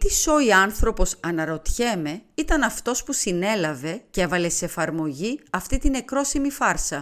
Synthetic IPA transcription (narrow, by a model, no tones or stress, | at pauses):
t̪iso̞iɐnθɾo̞po̞sɐnɐɾo̞t̪çe̞me̞it̪ɐnɐft̪o̞spusine̞lɐve̞ce̞vɐle̞seefɐɾmo̞ʝiɐft̪it̪ine̞kɾo̞simifɐɾsɐ